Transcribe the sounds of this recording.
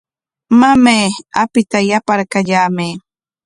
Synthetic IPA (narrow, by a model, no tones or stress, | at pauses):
mameːa̰pɪt̪ajapaɾkaʎaːmeː